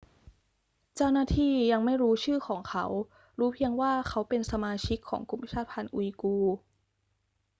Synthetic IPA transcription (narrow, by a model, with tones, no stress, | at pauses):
t͡ɕa˥˩wnaː˥˩t̪ʰiː˥˩ja˧ŋma˥˩jɾuː˦˥t͡ɕʰɯː˥˩xʰɔː˩˦ŋkʰa˦˥w | ɾuː˦˥pʰi˧əŋwaː˥˩kʰa˦˥wpe˧nsa˧maː˧t͡ɕʰi˦˥kʰːɔ̰ː˩˦ŋku˧˩˦mt͡ɕʰaː˥˩t̪̚pʰa˧nʔṵ˧iː˧kuː˧